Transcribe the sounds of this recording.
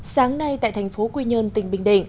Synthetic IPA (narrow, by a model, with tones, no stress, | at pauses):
saː˨˦ŋna˧jt̪a̰ː˧˨jt̪ʰa˨˩jŋ̟fo˨˦kwi˧ɲəː˧nt̪ï˧˩ŋ̟ɓï˧˩ŋ̟ɗḭ̈˧˩˨ŋ̟